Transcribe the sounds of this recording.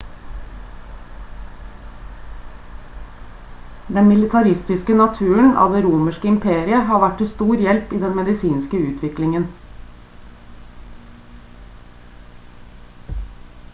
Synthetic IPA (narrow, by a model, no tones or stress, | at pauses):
d̪ɛnmɪlɪt̪ʰɑɾɪst̪ɪskənɑt̪ʰʉːəɳ̩ʔɑ̰ːd̪eːɾuːməʃkəɪmpʰeːɾɪəhɑːʋæʈ̚tɪst̪uːɾjɛlpiːd̪ɛnmɛd̪ɪsiːnskəʉːt̪ʰʋɪklɪŋən